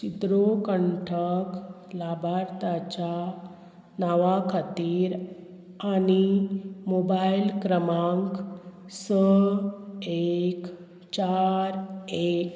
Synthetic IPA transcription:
t͡ɕid̪ɾokəɳʈʰək | labʱaɾt̪at͡ɕa | naʋakʰat̪iːɾ | añimobailkɾəmãŋksə | ek | t͡ɕaɾek

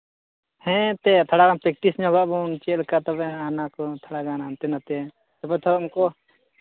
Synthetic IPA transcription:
hɛ̃t̪ɛt̪ʰaɽaɡanpɾɛk̚ʈisɲɔɡaʔbɔnt͡ʃɛlkat̪ɔbɛanakɔt̪ʰaɽaɡanant̪ɛnat̪ɛ | t̪ɔbɛt̪ʰɔɾʊmkɔ

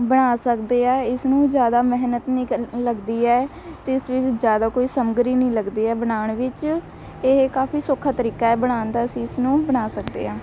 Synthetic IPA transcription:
bəɽ̃aːsəkd̪eːɛːɪsnũːd͡ʒjaːd̪aːmɛɦnət̪nĩːləɡd̪iːɛː | t̪eɪɪsʋɪt͡ʃd͡ʒjaːd̪aːkoːiːsəmɡɾiːnəĩːləɡd̪iːɛːbəɽaːɳʋɪt͡ʃ | ekaːfiːsokʰaːt̪əɾiːkaːɛːbəɽ̃aːnd̪aːəsĩːɪsnũːbəɽaːsəkd̪ḛːɦãː

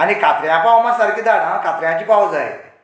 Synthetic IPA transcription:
añikʰat̪ɾjãpaʋwmasəɾkiːd̪ʱanakʰat̪ɾjãt͡ɕiːpawd͡zaḛ

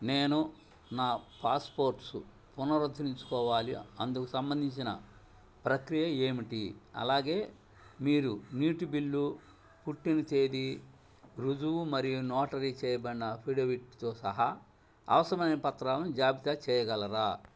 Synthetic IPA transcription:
neːnu | naːpaːspo̞ːɾʈsṵ | punɐɾɐd̪ʱːɐniɲt͡ʃu̥kɔːʋaːlḭɐ̰nd̪ukusɐmbɐnd̪ʱiɲt͡ʃinɐ | pɾɐkɾijɐe̞ːmiʈiɐ̰laːɡe̞ː | miːɾuniːʈubilːu | puʈːinit͡ʃe̞ːd̪i | ɾud͡ʒuumɐɾijunɔːʈɐɾit͡ʃɛːjɐbɐɳːɐpʰiɽoʋiʈt̪o̞ːsɐ̰ɦɐ | ɐ̰ʋɐsɐɾɐmɐjnɐpɐt̪ɾaːlɐmd͡ʒaːbit̪at͡ʃɛːjɐɡɐlɐɾaː

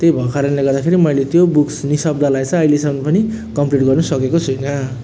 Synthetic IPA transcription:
t̪ejbʱʌkaɾʌnleɡʌrd̪akʰeɾimʌjlet̪jobuksnisʌb̚d̪ʱalajt͡sʰʌ̃ːjlesʌmnʌpʌni | kʌmpliʈ̚ɡʌrnusʌkekot͡sʰujnʌ

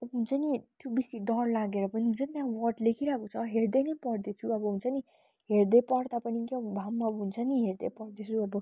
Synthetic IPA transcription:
ʌbʌɦunt͡sʰʌnit̪jobisid̪ʌrlaɡeɾʌpʌniɦunt͡sʰʌnit̪jãwʌʈlekʰiɾakot͡sʰʌɦeɾd̪enʌpʌɾd̪et͡sʰuʌbʌɦunt͡sʰʌni | ɦeɾd̪epʌɽd̪apʌnikabʱamːabɦunt͡sʰʌniɦeɾd̪epʌɾd̪et͡sʰuʌbʌ

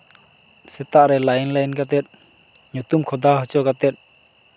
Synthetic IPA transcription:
sɛt̪aʔɾɛlajnlajnɡat̪ɛt̪̚ | ɲut̪umkʰɔd̪aɦɔt͡ʃɔɡat̪ɛt̪̚

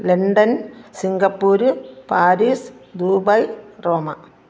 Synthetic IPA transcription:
leɳɖɐnsiŋɡɐpːuːɾɨpaːɾiːsd̪uːbɐjroːmɐ

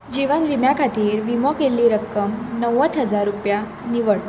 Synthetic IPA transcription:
d͡ʑiʋənʋimjakʰat̪iːɾʋimɔkelːiːɾəkːəmnəwət̪ʰɦəd͡zaɾːupja | niʋəɭt̪

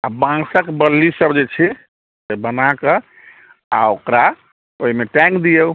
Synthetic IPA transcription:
abãsəkbəlːisəbd͡ʒet͡ʃʰɛ | sebənake | a̰okɾa | oɦimeʈɛ̃ŋkd̪ijeu

